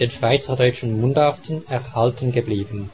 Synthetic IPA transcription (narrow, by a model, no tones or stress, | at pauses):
d̥eːnʃv̥aɪt͡sɐdɔʏt͡ʃn̩mʊndaʁtʰn̩ɛʁhaltən̩ɡəbliːbən̩